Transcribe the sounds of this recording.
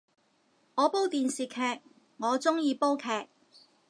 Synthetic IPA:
ŋɔː˨˧po˥wt̪iː˨nsiː˨˩kʰɛː˧k̚ | ŋɔː˨˧t͡sʊ˥ŋjiː˨˧po˥wkʰɛː˨˧k̚

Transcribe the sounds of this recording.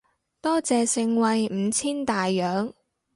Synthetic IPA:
t̪ɔː˥t͡sɛː˨sɪ˧ŋwɐ˧jm̩ː˨˧t͡sʰiː˥nt̪aː˨jːœː˨˥ŋ

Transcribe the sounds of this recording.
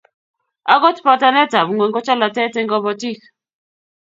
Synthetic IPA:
a˨˦ɡɔ˦tpɔ˦ta˦nɛ˦ta˨bŋwe˨ŋɡɔ˦t͡ʃa˦la˨tɛ˦tɛ˦ŋɡɔ˦bɔ˦ti˦k

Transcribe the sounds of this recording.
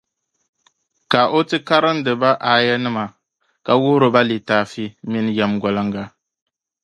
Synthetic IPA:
ka˨ʔo˦tɨ˦ka˦ɾɨ˦n̩˦dɨ˨ba˦ʔa˨jɛ˦nɨ˦ma˨ | ka˨wʊ˦ɾɨ˨ba˦li˨taː˨fi˦mi˦n˦jɛ˦mɡɔ˨lɨ˦ŋɡa˦

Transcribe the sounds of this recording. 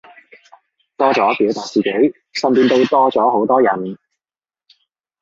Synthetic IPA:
t̪ɔː˥t͡sɔː˨˥piː˨˥wt̪aː˨k̚t͡siː˨˩ke˨˥j | sɐ˨˧npiː˧nt̪o˧wt̪ɔː˥t͡sɔː˨˥ho˨˥wt̪ɔː˥jɐ˨˩n

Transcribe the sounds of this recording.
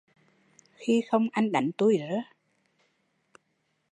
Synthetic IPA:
xi˧xə˧wŋ͡mʔa˧jŋɗa˨˧˩jŋ̟t̪u˧jzə˨˦

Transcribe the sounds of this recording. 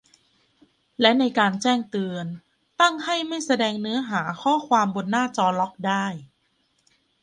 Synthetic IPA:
lɛ˦˥na˧jkaː˧nt͡ɕɛː˥˩ŋt̪ɯː˧ən | t̪a˥˩ŋha˥˩jma˥˩jsa˧dɛː˧ŋnɯ˦˥ɐɦaː˩˦kʰɔː˥˩kʰwaː˧mbo˧nːaː˥˩t͡ɕɔː˧lɔ˦˥k̚daː˥˩j

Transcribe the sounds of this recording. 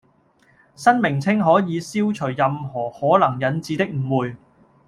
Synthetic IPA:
sɐ˥nmɪ˨˩ŋt͡sʰɪ˥ŋɦɔː˨˥jiː˨˧siː˥wt͡ʃʰɵ˨˩ɥːɐ˨mhɔː˨˩hɔː˨˥lɐ˨˩ŋjɐ˨˧nt͡siː˨˧t̪ɪ˥k̚m̩˨˩wuː˨j

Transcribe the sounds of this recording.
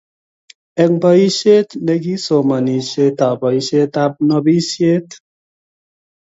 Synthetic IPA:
ɛ˨ŋba˦i˦ʃe˦t̪ne˦˧ɡi˦so˨ma˨ni˨ʃe˦t̪a˨ba˨i˦ʃe˦t̪a˦p̚nɔ˧bi˦sje˦t̪

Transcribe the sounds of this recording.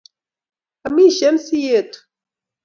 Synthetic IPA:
a˨mi˦ʃɛ˦nsi˦je˦˨t̪u̥

